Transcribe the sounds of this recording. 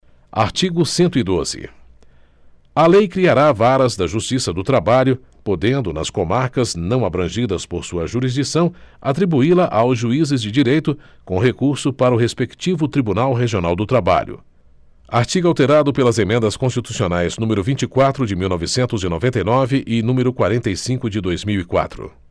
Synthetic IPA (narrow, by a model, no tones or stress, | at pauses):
a̰ɾt͡ʃiɡʊsẽnt̪ʊid̪ozɪ̰ | ɐlejkɾiaɾavaɾɐzd̪ɐʒust͡ʃisɐd̪ʊt̪ɾabaʎʊ | pod̪ẽnd̪ʊnɐ̰skõmaɾkɐznɐ̃w̃abɾɐ̃ʒid̪ɐspoɾsuɐʒuɾizd͡ʒisɐ̃w̃at̪ɾibuilɐʔawzʒuizɪzd͡ʒɪd͡ʒiɾejt̪ʊ | kõɦekuɾsʊpaɾɐʊɦespekt͡ʃivʊt̪ɾibunawɦeʒionawd̪ʊt̪ɾaba̰ʎʊ̰ | aɾt͡ʃiɡʊawt̪eɾad̪ʊpelɐzemẽnd̪ɐskõst͡ʃit̪u̥sionajznũmeɾʊvĩnt͡ʃɪkwat̪ɾʊd͡ʒɪmiwnɔvɪsẽnt̪ʊzɪnovẽnt̪ejnɔvɪʔɪnũmeɾʊkwaɾẽnt̪ejsĩkʊd͡ʒɪd̪ojzmiwikwa̰t̪ɾʊ̰